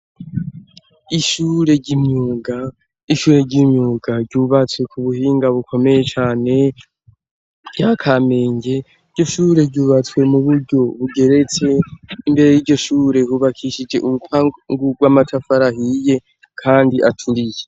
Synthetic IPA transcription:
iʃuːɾe̞ɟimɲuːɡa | iʃuːɾe̞ɟimɲuːɡaɟɟuːβat͡swe̞kʰuβuhiːŋɡaβukʰo̞me̞je̞t͡ʃaːne̞ | ɟakʰame̞ːɲɟe̞ | ɾɟo̞ʃuːɾe̞ɟuːβat͡swe̞muβuɾɟo̞βuɡe̞ɾe̞t͡se̞imbe̞ɾe̞jiːɟo̞ʃuːɾe̞huβakʰiʃid͡ʒe̞ʔuβupʰaŋɡuɡwamatʰafaɾaɦije̞ | kʰaːndiʔatʰuɾije

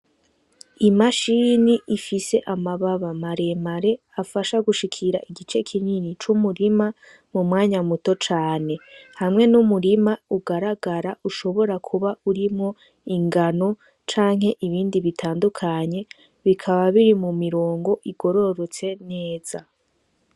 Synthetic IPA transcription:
imaʃiniʔifise̞ʔamaβaβamaɾe̞maɾe̞ | afaʃaɡuʃikʰiɾaʔiɡit͡ʃe̞kʰininit͡ʃumuɾima | mumŋaːɲamutot͡ʃaːne̞hamŋe̞numuɾimauɡaɾaɡaɾauʃo̞βo̞ɾakʰuβauɾimŋo̞ | iŋɡano̞ | t͡ʃaːŋɦe̞ʔiβiːndiβitʰaːndukʰaɲe̞ | βikʰaβaβiɾimumiɾo̞ːŋɡo̞ʔiɡo̞ɾo̞ɾot͡se̞ne̞ːz̥a

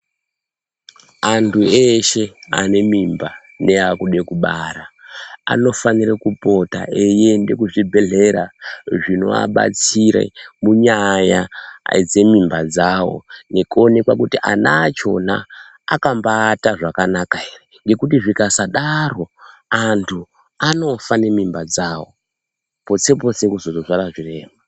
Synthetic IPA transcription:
antʰueʃe̞a̰ne̞mimba | ne̞akuɗekuɓaɾaa̰no̞faniɾekupo̞ta̰ʔe̞je̞nde̞kuʐibʱe̞ɮe̞ɾaʐino̞̰a̰ɓa̰t͡siɾḛmuɲajad͡ze̞mimbad͡zawo̞̰ne̞kuo̞ne̞kwakutiʔa̰naːt͡ʃo̞na̰ː | kambaːtaʐakanakaereŋɡe̞kutiʐikasaɗaro̞antʰu | ano̞fane̞mimbad͡zawo̞̰ | po̞t͡se̞p̬o̞sekuzozo̞ʐaraʐire̞ːma

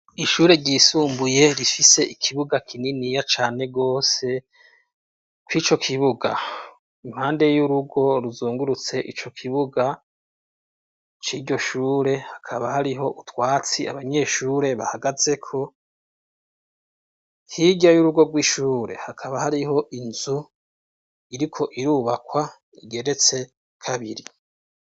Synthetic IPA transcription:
iʃuːɾe̞ɾɟiːsuːmbuje̞ɾifise̞ʔikʰiβuɡakʰininijat͡ʃaːne̞ɡo̞ːse̞ | kwiːt͡ʃo̞kʰiβuɡa | im̥haːnde̞juɾuɡo̞ɾuzuːŋɡuɾut͡se̞ʔit͡ʃo̞kʰiβuɡa | t͡ʃiːɾɟo̞ʃuːɾe̞hakʰaβahaɾiɦo̞ʔutwaːt͡sia̰βaɲe̞ːʃuːɾe̞βa̰haɡaze̞kʰo̞ | hiɟajuɾuɡo̞ɡwiːʃuːɾe̞̰hakʰaβahaɾiɦo̞ʔinzu | iɾikʰo̞ʔiɾuːβakwa | iɡe̞ɾe̞t͡se̞ | kʰaβiɾi

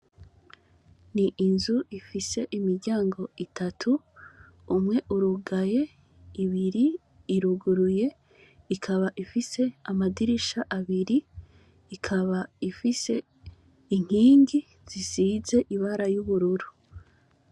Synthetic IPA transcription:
niʔinzuʔifise̞ʔimiɾɟaːŋɡo̞itʰatʰuː | mŋe̞ʔuɾuɡaje̞ | iβiɾiː | ɾuɡuɾuje̞ | ikʰaβaʔifise̞amadiɾiʃaʔaβiɾi | ikʰaβaifise̞ | iŋ̥hiːŋɡi | z̥izize̞ʔiβaɾajuβuɾuɾu

